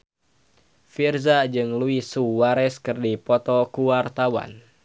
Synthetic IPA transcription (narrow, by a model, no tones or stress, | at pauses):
firzad͡ʒɨŋluisuwaɾɛskɨrdipɔt̪ɔkuwart̪awa̰n